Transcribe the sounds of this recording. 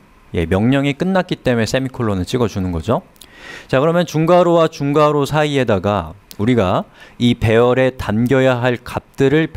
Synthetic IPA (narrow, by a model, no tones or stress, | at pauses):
je̞̰mjʌŋɲʌŋik͈ɯnːak͈̚it͈e̞me̞sʰe̞mikʰoɭːonɯɭt͡ɕ͈iɡʌd͡ʑunɯnɡʌ̰d͡ʑot͡ɕakɯɾʌmjʌnt͡ɕuŋɡaɾowat͡ɕuŋɡaɾosʰaie̞daɡauɾiɡaipe̞ʌɾe̞tanɡjʌjaɦaɭkap̚t͈ɯɾɯɭp